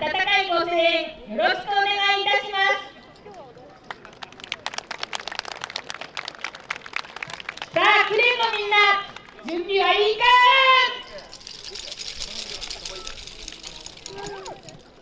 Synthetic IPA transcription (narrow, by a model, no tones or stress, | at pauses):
d̪at̪anaimosẽjo̞ɾo̞ɕi̥kɯ̟one̞ɡaiːt̪aɕimasɨ̥ | saːkɯ̟ɾemomʲĩnːa | d͡ʑɨ̃mbʲiβaiːka